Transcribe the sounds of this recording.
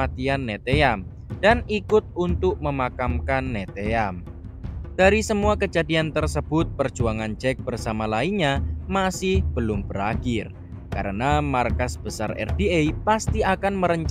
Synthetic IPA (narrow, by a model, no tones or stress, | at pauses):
at̪ianːet̪eam | d̥anikʊt̪̚unt̪ʊk̚məmakamkanːet̪eam | d̥aɾisəmuakəd͡ʒadiant̪ərsəb̥ʊt̪̚pər̥d͡ʒuaŋand͡ʒɛk̚b̥ərsamalaiɲamasɪhb̥əlʊmb̥əɾakɪr | kaɾənamarkasb̥əsa̰rɛ̰rd̥iejpast̪iakanməɾəɲt͡ʃ